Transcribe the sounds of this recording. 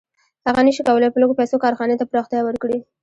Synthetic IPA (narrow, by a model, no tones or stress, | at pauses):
haɣanəʃikawəlapəloɡopajsokɑɾxɑnet̪apɾɑxt̪jawəɾkɽi